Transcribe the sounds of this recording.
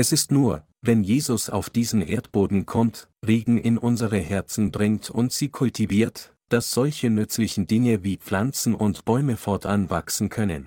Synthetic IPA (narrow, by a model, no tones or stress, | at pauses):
ʔɛsɪstnuːɐ | vɛnjeːzʊsa̰ʊfd̥iːzn̩ʔeːɐtb̥oːdn̩kʰɔmt | ʁeːɡŋ̩ʔɪnʔʊnzəʁəhɛɐt͡sn̩bʁɪŋtʰʊ̰ntz̥iːkʰʊltʰiviːɐt | d̥asz̥ɔlçənʏt͡slɪçn̩dɪŋəviːp͡flant͡sn̩ʔʊntb̥ɔʏməfɔɐtʔanva̰ksn̩kʰœnə̰n